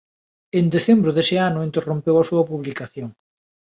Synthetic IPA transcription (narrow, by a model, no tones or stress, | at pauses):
end̪eθembɾʊðesɪanʊint̪erompewasuɐpuβlikaθjoŋ